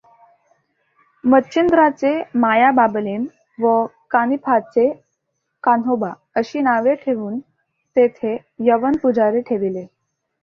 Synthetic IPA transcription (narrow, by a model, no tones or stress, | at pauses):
mətːɕind̪ɾat͡semajabablem | ʋəkanipʰat͡se | kanoba | əɕiːnaʋeʈʰeʋuːn | t̪et̪ʰe | jəʋənpud͡zaɾeʈʰeʋile